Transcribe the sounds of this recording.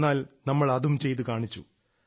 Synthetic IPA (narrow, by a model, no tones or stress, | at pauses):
aːlnɐmːɐɭɐðumt͡ɕe̞jt̪̬ukaːɳit͡ɕːṵ